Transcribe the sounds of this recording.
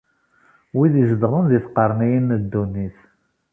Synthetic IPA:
wiðizəd̪ʁənðiθqəɾˤnijinːəd̪ːunːiθ

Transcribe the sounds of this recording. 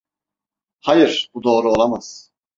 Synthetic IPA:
hajɯɾ̥bud̪o̞ːɾuolˠamaz̥

